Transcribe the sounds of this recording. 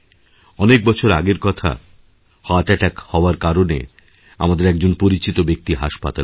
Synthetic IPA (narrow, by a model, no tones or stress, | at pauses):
ɔnek̚bɔt͡ɕʰoɾaɡeɾkɔt̪ʰa̰ | hɔaʈɛʈakhɔoaɾkaɾonḛ | a̰mad̪eɾɛk̚d͡ʑonpoɾit͡ɕit̪obek̚t̪iɦaʃpa̰t̪a